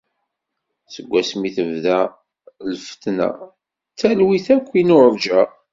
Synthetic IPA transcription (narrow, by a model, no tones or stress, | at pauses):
səɡʷːæsmiθəvðæ | lfə̥t̪næ̰ | t͡sːælwiθækʷːinʊɾəɾd͡ʒæ